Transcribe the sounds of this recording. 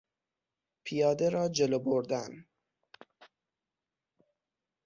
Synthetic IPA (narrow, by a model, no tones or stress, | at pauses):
pʰijɒːd̪eɾɒːd͡ʒe̞loboɾd̪æn